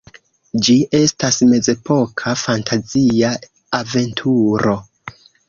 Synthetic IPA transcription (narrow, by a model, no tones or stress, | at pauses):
d͡ʒiʔe̞stasme̞ze̞pʰo̞kʰafantʰazia | ave̞ntʰuɾo̞